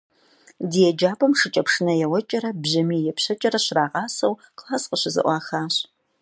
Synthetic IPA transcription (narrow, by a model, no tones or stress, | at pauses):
dijɛd͡ʒaːbɐmʂɨt͡ʃʼɐpʂɨnɐjɛwɐt͡ʃʼɐɾɐbʑɐmiːjɛpɕɐt͡ʃʼɐɾɐɕraːʁɑːsɐwqlaːsqəɕɪzɨ̰ʔʷɑːxaːɕ